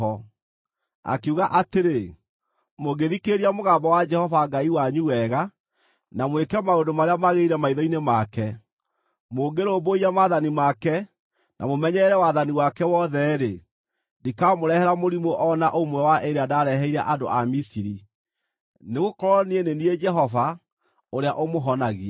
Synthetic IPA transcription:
ɔ | a̰keuɣaʔateɾe | moɡeðikeɾiamoɣambɔwad͡ʒɛhɔvaɡaiwaɲuwɛɣa | namwekɛmaondomaɾeamaɣeiɾɛmaiðɔinemakɛ | moːɡeɾoːboiamaðanimakɛ | nʔa̰momɛɲɛɾɛwaðaniwakɛwɔðɛɾe | ndikamoɾɛhɛɾamoɾimoʔɔnaʔomwɛwaʔeɾeadaːɾɛɦɛiɾɛʔado̰ʔamisiɾi | neɣokɔɾɔnieneniɛd͡ʒɛɦɔva | oɾeaʔomoɦɔnaɣiɛ

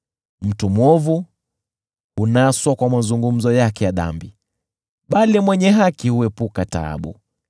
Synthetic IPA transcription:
m̩tumwɔvu | unaːswakwamazuŋɡum̩zɔjakɛjaɗa̰mbi | ɓalimwɛɲɛɦakihuɛpukata̰ːɓṵ

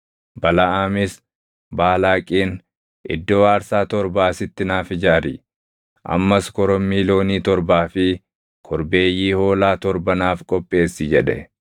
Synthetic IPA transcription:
bɐlɐaːmɪs | baːlaːkʼiːn | ʔɪ̰d̪ːoːwaːɾsaːt̪ɔɾbaːsɪt̪ːɪnaːfɪd͡ʒaːɾɪ | ʔɐ̰mːɐskɔɾɔmːiːlo̞ːniːt̪ɔɾbaːfɪ | kʰɔɾbe̞ːjːiːho̞ːlaːt̪ɔɾbɐnaːfkʼɔpʼːe̞ːsːɪd͡ʒɛᶑɛ̰

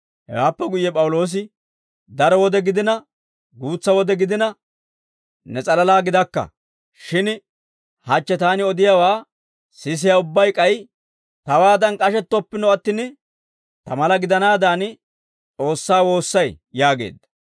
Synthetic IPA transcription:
hɛ̰waːpːɛɡʊjːɛpʼɐwʊlo̞ːs̬ɪ | d̪ɐɾɔwɔd̪ɛɡɪd̪ɪnɐ | ɡuːt͡sːɐwɔd̪ɛɡɪd̪ɪnɐ | nɛt͡sʼɐlɐlaːɡɪd̪ɐkːɐ̰ | ʃɪn | hɐt͡ʃːɛt̪aːnɪɔd̪ɪjawaː | sɪs̬ɪjaʊbːɐjkʼɐj | t̪ɐwaːd̪ɐnkʼɐʃɛt̪ːɔpːɪnɔɐt̪ːɪn | t̪ɐmɐlɐɡɪd̪ɐnaːd̪aːn | t͡sʼo̞ːsːaːwo̞ːsːɐj | jaːɡe̞̰ːd̪ːɐ

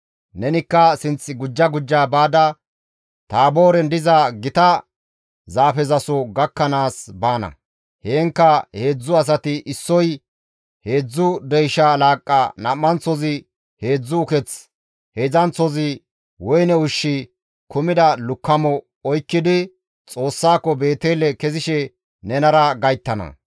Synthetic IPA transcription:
nɛnɪkːɐsɪnt͡sːɪɡʊd͡ʒːɐɡʊd͡ʒːaːbaːd̪ɐ | t̪aːbo̞ːɾɛnd̪ɪzɐɡɪt̪ɐ | zaːfɛzɐsɔɡɐkːɐnaːsbaːnɐ̰ | heːŋkːɐhe̞ːd͡zːʊɐs̬ɐt̪ɪʔɪsːɔj | he̞ːd͡zːʊd̪ɛjʃɐlaːkʼːɐ̰nɐmːɐnt͡sːɔzɪ | he̞ːd͡zːʊʊkɛt͡s | heːzɐnt͡sːɔzɪ | wɔjnɛʊʃːɪ | kʊmɪd̪ɐlʊkːɐmɔ | ɔjkːɪd̪ɪ | t͡sʼo̞ːsːaːkːɔbe̞ːt̪eːlɛkɛzɪʃɛ | nɛnɐɾɐɡɐjt̪ːɐnɐ̰

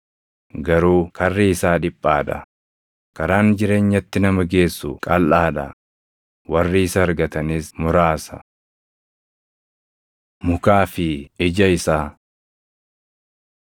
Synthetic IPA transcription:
ɡɐɾuːkɐrːiːsaːᶑɪpʼːaːᶑɐ̰ | kɐɾaːnd͡ʒɪɾe̞ːɲːɐt̪ːɪnɐmɐɡe̞ːsːʊkʼɐlʔaːᶑɐ̰ | wɐrːiːɪsɐɐɾɡɐt̪ɐniːsmʊɾaːsɐ̰ | mʊkaːfɪɪd͡ʒɐɪsaː

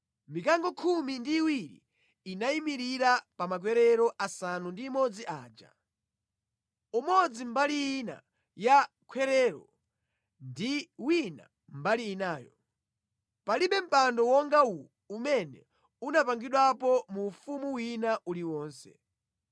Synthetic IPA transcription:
mikaŋɡɔkʰumindiːwiɾḭː | naimiɾiɾapamak̬wɛɾɛɾɔʔasanundiːmɔd͡ziʔaːd͡ʒa̰ | umɔd͡zimbaliina̰ | ja | kʰwɛɾɛɾɔ̰ | ndiwina̰ | m̩baliːnaːjɔ̰ | paliɓɛm̩pandɔwɔŋɡawu | umɛnɛ | unapaŋɡiɗwapɔmufumuwinaʔuliwɔːnsɛ̰

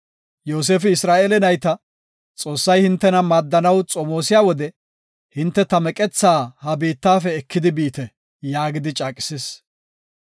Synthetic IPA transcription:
joːs̬eːfɪɪsɾaːʔeːlɛnɐjt̪ɐ | t͡sʼo̞ːsːɐjhɪnt̪ːɛnɐmaːd̪ːɐnɐwt͡sʼɔmo̞ːsɪjaːwɔd̪ɛ | hɪnt̪ːɛt̪ɐmɛkʼɛt͡sːaːhɐbiːt̪ːaːfɛːkʰːɪd̪ɪbiːt̪ɛ | jaːɡɪd̪ɪt͡ʃʼaːkʼɪ̥ses

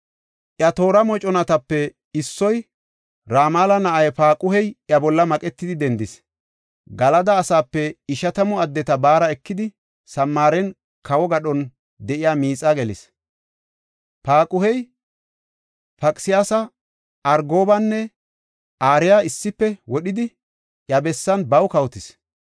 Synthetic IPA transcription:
ʔjɐt̪o̞ːɾɐmɔt͡ʃʼɔnɐt̪ɐpːɛ | ɪsːɔj | ɾaːmaːlɐnɐʔɐjpaːkʼʊhɛjʔjɐbɔlːɐmɐkʼɛt̪ːɪd̪ɪd̪ɛnd̪ɪs | ɡɐlɐd̪ɐːsaːpːɛɪʃɐt̪ɐmɔɐd̪ːɛt̪ɐbaːɾɐɛkːɪd̪ɪ | sɐmːaːɾɛn | kɐwɔɡɐɗɔn | d̪ɛʔɪjaːmiːt͡sʼːaɡɛlɪ̰s | paːkʼʊhɛj | pɐkʼsɪjaːsɐ | ɐɾɡo̞ːbɐnːɛ | ʔaːɾɪjaɪsːɪpːɛwɔɗɪd̪ɪ | ʔjɐbɛsːɐnbɐwkɐwt̪ɪs

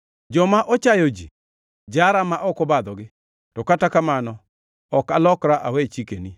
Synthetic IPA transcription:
d͡ʒɔmaʔɔt͡ʃajɔd͡ʒi | d͡ʒaɾamaʔɔkɔbad̪ɔɡɪ | tɔkatakamanɔ | ɔkalɔkɾaʔawet͡ʃikeni

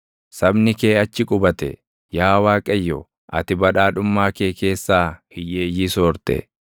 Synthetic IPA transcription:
sɐbnɪke̞ːɐt͡ʃːɪkʼʊbɐt̪ɛ̰ | jaːwaːkʼɛjːɔ | ʔɐ̰t̪ɪbɐᶑaːᶑʊmːaːke̞ːke̞ːsːaː | ɪjːeːjɪsoːɾt̪ɛ̰

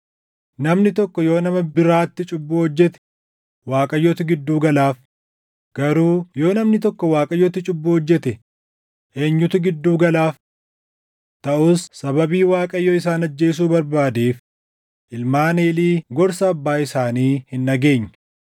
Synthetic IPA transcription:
nɐmnɪt̪ɔkːɔjo̞ːnɐmɐbɪɾaːt̪ːɪt͡ʃʼʊbːʊɔd͡ʒːɛt̪ɛ̥ | waːkʼɐjːɔt̪ɪɡɪd̪ːuːɡɐlaːf | ɡ̥ɐɾuːjo̞ːnɐmnɪt̪ɔkːɔwaːkʼɐjːɔt̪ːɪt͡ʃʼʊbːʊhɔd͡ʒːɛt̪ɛ | ʔe̞ːɲːʊt̪ʊɡɪd̪ːuːɡɐlaːf | t̪ɐʔʊsːɐbɐbiːwaːkʼɐjːɔɪs̬aːnɐd͡ʒːe̞ːs̬uːbɐɾbaːd̪eːf | ʔɪlmaːne̞ːliːɡɔɾsɐːbːaːɪsaːniːhɪnːɐɡe̞ːɲːɐ

